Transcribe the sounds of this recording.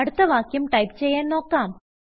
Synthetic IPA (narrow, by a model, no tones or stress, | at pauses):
ɐɽut̪ːɐʋaːkːjumʈɐjpt͡ɕe̞jːaːnno̞ːkːaːm